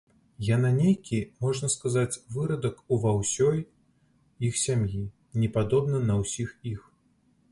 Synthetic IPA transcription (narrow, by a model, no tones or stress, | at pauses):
jan̪anʲejkʲimɔʐnɐskazat͡sʲvɨɾɐd̪ɐkuvawsʲɔj | ixsʲamji | nʲɛpad̪ɔbnɐnɐwsʲixix